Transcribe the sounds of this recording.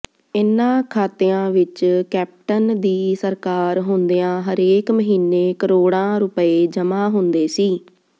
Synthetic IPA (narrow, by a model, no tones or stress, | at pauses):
ɪnːãːkʰaːt̪eːãːʋɪt͡ʃkɛːp̚ʈənd̪iːsəɾkaːɾɦʊnd̪ejãːɦəɾeːkməɦiːneːkəɾoːɽãːɾʊpəeːd͡ʒəmaːɦʊnd̪eːsiː